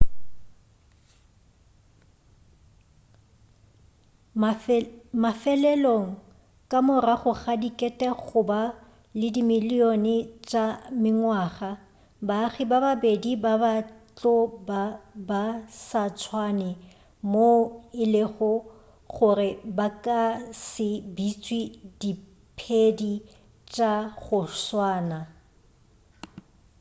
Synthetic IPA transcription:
mafɛlɛloŋ̩ | kʼamʊraχʊχadikʼɛtʼɛχʊba | lɪdimɪlionɪt͡ʃʼamɪŋwaːχa | baχɪbababedibabat͡ɬʼɔbabasat͡sʰwanɛ | moɪlɪχʊ | χʊrɪbakʼasɪbit͡sʼwidi | pʰedi | t͡ʃʼaχʊswaːna

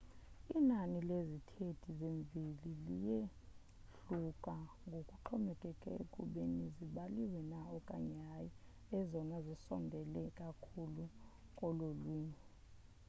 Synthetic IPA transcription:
inanilezitʰedʰʱizeɱvʱililije | ɬukʼaŋɡʱokʼuǃʰɔmɛkʼɛkʼɛḛkʼuɓeniziɓaliwɛnaɔkʼaɲaji | ɛzɔnazisɔ̰ndʱɛlɛkʼakʰulukʼɔlolwiːni

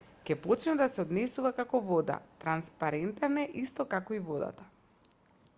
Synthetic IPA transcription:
kɛpɔt͡ʃnɛd̪asɛɔd̪nɛsuvakakɔvɔd̪a̰t̪ɾanspaɾɛnt̪anɛʔist̪ɔkakɔivɔd̪a̰t̪ḁ

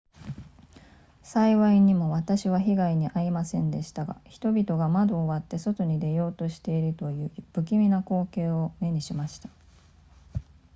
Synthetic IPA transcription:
saiβaiɲ̟imo̞βat̪aɕiβaçiɡaiɲ̟iʔaimasẽ̞nd̪e̞ɕi̥t̪aɡa̰çi̥t̪o̞bʲit̪o̞ɡamad̪o̞ːβat̪ːe̞so̞t̪o̞ɲ̟id̪e̞jo̞ːt̪o̞ɕi̥t̪e̞iɾɯ̟t̪o̞jɯ̟ːb̥ɯ̟k̬ʲimʲinako̞ːke̞ːo̞me̞ɲ̟iɕimaɕi̥t̪ḁ

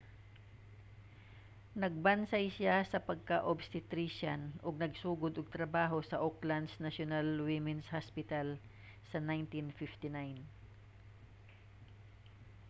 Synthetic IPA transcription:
nɐɡ̚bɐnsajsɪasɐpɐɡ̚kɐʔobst̪ɪt̪ɾiʃanʔoɡ̚nɐɡsuːɡʊd̪ʔʊɡ̚t̪ɾɐbaːɦosɐʔokland̪snaʃonalwɪmɛnshaspɪt̪al | sɐnajnt̪infɪft̪ɪnajn

